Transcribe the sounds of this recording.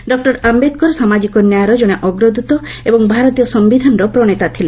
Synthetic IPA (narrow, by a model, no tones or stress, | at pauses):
ɖɔk̚ʈɔɾambed̪kɔɾsamad͡ʒikɔnjajaɾɔd͡ʒɔɽ̃eʔɔɡɾɔd̪ut̪ɔebɔŋbʱaɾɔt̪ijɔsɔmbid̪ʱanɾɔpɾɔɽ̃et̪at̪ʰile